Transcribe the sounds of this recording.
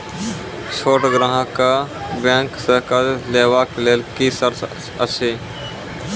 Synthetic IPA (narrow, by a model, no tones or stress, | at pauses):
t͡ʃʰoːʈɡɾãːɦãkabẽːŋksəkəlleːʋaːkleːlkisəɾsʰ | ət͡ʃʰeː